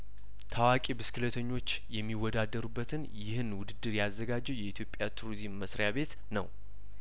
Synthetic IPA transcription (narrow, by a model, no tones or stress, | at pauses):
t̪ʰawakʼibɨskʰɨlət̪ʰəɲːo̞t͡ʃː | jɛmːiwːɔd̪ad̪ːəɾubːət̪ʰɨnjɪhɨnwʊd̪ɨd̪ːɨɾjazːəɡad͡ʒːɛwjɛit̪ʰjo̞pʼjat̪ʰuɾoɾizmːəsɾjaβe̞t̪ | nə̰w